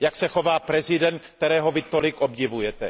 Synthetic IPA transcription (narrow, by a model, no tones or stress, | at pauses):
jaksɛxo̞vaːpɾɛzɪdɛnt̪̚kt̪ɛɾɛːɦo̞vɪt̪o̞lɪkʔobɟɪvujɛt̪ɛ